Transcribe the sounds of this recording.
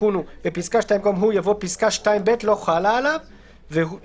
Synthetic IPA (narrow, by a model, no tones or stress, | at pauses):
unubepiskaʃtajimkomɦujavo̞piskaʃtaimbetlo̞χalaːlav | ve